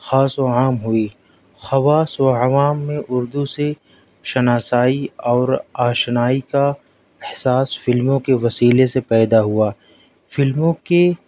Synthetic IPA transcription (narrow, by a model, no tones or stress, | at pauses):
xaːsoaːmɦʊiː | xɐʋaːswaɐʋaːmːẽʔʊɾd̪use | ʃɐnaːsaːiɔːɾaːʃnaːika | ɪhsaːsfɪlmõkeʋɐsiːlesepɛːd̪aɦuaː | fɪlmõke